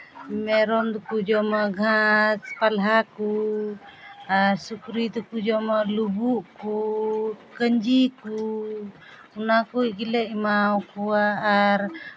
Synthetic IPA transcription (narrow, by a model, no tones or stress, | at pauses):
mɛɾɔnd̪ukud͡ʒɔmaɡʱãspalɦaku | aɾsukɾid̪ukud͡ʒɔmalubuʔku | kəɲd͡ʒiku | unakuʔ̚ɡilɛʔmawkuaːɾ